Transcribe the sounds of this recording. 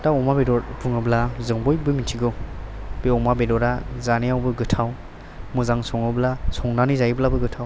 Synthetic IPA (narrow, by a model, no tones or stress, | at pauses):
taɔmabedɔɾbuŋɯblazɯŋbɔjbɯmitʰiɡɯw | b̥iɔmabedɔɾazanijawbɯɡɯtʰaw | mɯzaŋsɔŋɯblasɔŋnanizajblabɯɡɯtʰaw